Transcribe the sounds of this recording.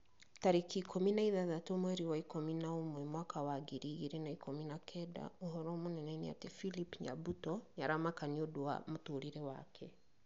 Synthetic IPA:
taɾekikʰominaiðaðatomwɛɾiwaikominaomwɛmwakawaɡiɾiɣiɾenaikominakʰɛda̰oɦɔɾɔmonɛnɛnia̰tefilipɲa̰butɔɲaɾamakaniodowa̰motoɾiɾewakʰɛ

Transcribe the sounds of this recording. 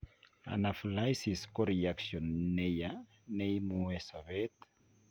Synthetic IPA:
a̰naflajsiskoɾiaksjɔnːeja | nejmuesavet̪

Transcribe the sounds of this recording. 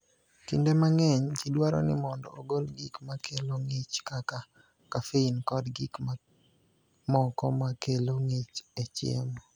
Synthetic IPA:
kḭndemaŋɛɲt͡ʃidwaɾɔ̰nɪmɔndɔ̰oɡolɡikmakʰeloŋɪt͡ʃkaka | kafeinkɔdɡikma | mɔkɔmakeloŋet͡ʃet͡ʃɪḛmɔ

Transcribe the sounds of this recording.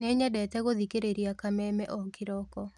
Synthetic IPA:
neɲɛdɛtɛɣoðikeɾeɾjakamɛmɛʔɔkɪɾɔkɔ

